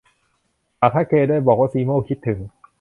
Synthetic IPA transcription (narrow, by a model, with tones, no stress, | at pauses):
t̪aː˨˩t̪̚ʰaː˥˩kʰeː˧daː˥˩jbɔː˨˩k̚waː˥˩siː˧mo˥˩wkʰi˦˥t̪ʰːɯ˩˦ŋ